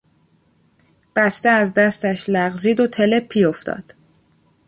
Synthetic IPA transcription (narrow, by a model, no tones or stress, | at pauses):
b̥æst̪eæzd̪æst̪æʃlæɣziːd̪ot̪ʰe̞le̞pʰːiːoft̪ʰɒ̰ːd̪̥